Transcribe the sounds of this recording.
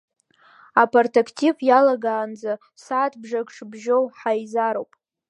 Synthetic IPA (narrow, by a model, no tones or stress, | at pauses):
apʰartʰakʰtʰivjalaɡaːnd͡za | saːtʰbʐakʷʂʰbʒowħajzaɾowpʼ